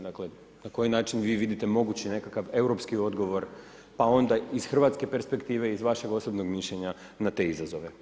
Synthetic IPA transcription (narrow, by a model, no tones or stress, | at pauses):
d̪akle̞ | nako̞jinaːt͡ʃinʋiːʋid̪it̪e̞mo̞ɡut͡ɕine̞kakaʋe̞uwɾo̞pskio̞d̪ɡo̞ʋo̞ɾ | pao̞nd̪aiz̥xr̩ʋat̪ske̞pe̞ɾspe̞kt̪iːʋe̞izʋaʃe̞ɡo̞so̞bno̞ɡmiʃʎe̞ɲa | nat̪e̞izazo̞ʋe̞